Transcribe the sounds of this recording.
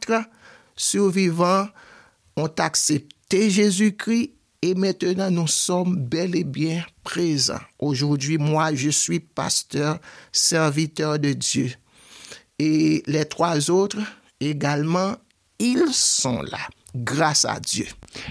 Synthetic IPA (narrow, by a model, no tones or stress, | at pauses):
t̪ʁ | syʁvivɑ̃ | ɔ̃t̪aksɛp̚t̪eʒezykʁi | emɛ̃t̪ənɑ̃nũsɔmbɛlebjɛ̃pʁezɑ̰̃oʒuʁd̪ɥimwaʒəsɥipa̰st̪œʁsɛʁvit̪œʁd̪əd̪jø | elɛt̪ʁwazot̪ʁ | eɡalmɑ̃ | ilsɔ̰̃la̰ | ɡʁasa̰d̪jø̰